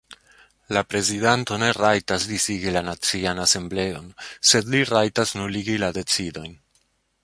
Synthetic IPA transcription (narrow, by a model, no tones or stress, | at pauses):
lapɾe̞zidanto̞ne̞ɾajtasdisiɡilanat͡sianase̞mble̞o̞nse̞dliɾajtasnuliɡilade̞t͡sido̞jn